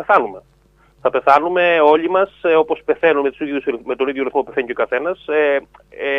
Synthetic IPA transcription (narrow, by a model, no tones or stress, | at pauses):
eθɐnume̞ | θɐpe̞θɐnume̞o̞ʎimɐso̞po̞spe̞θe̞nunme̞t̪usiðiðjusmet̪oniðjoɾiθmo̞pupeθeɲicokɐθe̞nɐse